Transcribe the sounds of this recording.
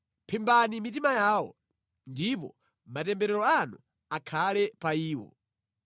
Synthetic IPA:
pʰimbanimitimajaːwɔ̰ | ndipɔ̰ | matɛmbɛɾɛɾɔanṵ | akʰalɛpaiːwɔ̰

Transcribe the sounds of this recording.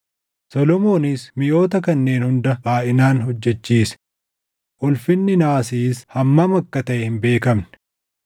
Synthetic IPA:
sɔlɔmo̞ːnɪsmɪjo̞ːt̪ɐkɐnːe̞ːnhʊnd̪ɐbaːʔɪnaːnhɔd͡ʒːɛt͡ʃːiːs | ʔʊlfɪnːɪnaːsiːshɐmːɐmɐkːɐt̪ɐʔɛhɪmbe̞ːkɐmnɛ̥

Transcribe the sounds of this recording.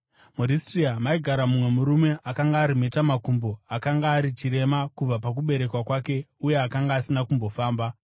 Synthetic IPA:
muɾistriamaiɡʱaɾamumwe̞muɾume̞ʔakaŋɡaːɾime̞tamakumboakaŋɡaːɾit͡ʃiɾe̞makub͡vapak̬uɓe̞ɾe̞kwakwake̞uje̞akaŋɡaːsinakumbo̞faːmba

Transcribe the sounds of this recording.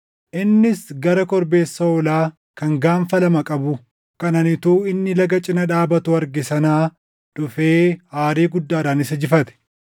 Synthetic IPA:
ʔɪnːɪsɡɐɾɐkɔɾbe̞ːsːɐɔlaː | kɐŋɡaːɱfɐlɐmɐkʼɐbʊ | kɐnɐnɪt̪uːɪnːɪlɐɡɐt͡ʃʼɪnɐᶑaːbɐt̪ʊɐɾɡɪsɐnaː | ᶑʊfe̞ːhaːɾiːɡʊd̪ːaːɾaːnɪsɐd͡ʒɪfɐt̪ɛ̥

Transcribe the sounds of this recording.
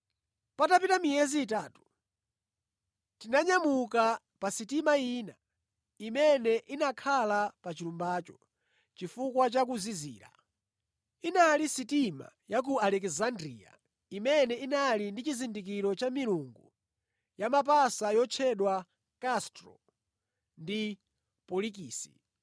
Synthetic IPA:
patapitamijɛziːtaːtu̥ | tinaɲamuka | pasitimaiːna̰ | imɛnɛʔinakʰalapat͡ʃiɾumbaːt͡ʃɔ̥ | t͡ʃifukwat͡ʃak̬uzizḭːɾa̰ | inalisitima̰jak̬ualɛkzandɾḭa̰ | imɛnɛinalindit͡ʃizindik̬iɾɔt͡ʃamiɾuŋɡu | jamap̬asajɔt͡ʃʰɛɗwa | kastɾɔ̰ | ndi | pɔlikiːsḭ

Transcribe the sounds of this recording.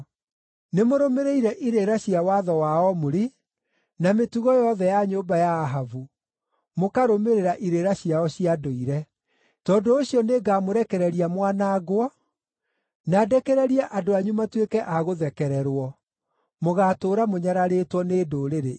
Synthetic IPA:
nemoɾomeɾeiɾɛʔiɾeɾaɕiawaðɔwaɔmoɾe | nametuɣɔjɔðɛjaɲoːbajaːɦavu | mokaɾomeɾeɾaʔiɾeɾaɕiaɔɕiadoiɾɛ | tɔːndoːɕiɔneɡaːmoɾɛkɛɾɛɾiamwanaːɣwɔ | naːdɛkɛɾɛɾiɛʔadoaɲumatwekɛʔaɣoðɛkɛɾɛɾwɔ | moɣaːtoːɾamoɲaɾaɾeːtwɔneːdoːɾeɾe

